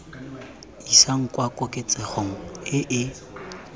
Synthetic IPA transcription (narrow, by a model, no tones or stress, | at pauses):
isaŋ̩kʼwakʼʊkʼɪt͡sʼɛχoŋ̩ɪʔɪ